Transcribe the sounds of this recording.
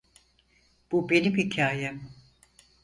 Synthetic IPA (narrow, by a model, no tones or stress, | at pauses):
b̥ube̞nimhicʰaːjɛm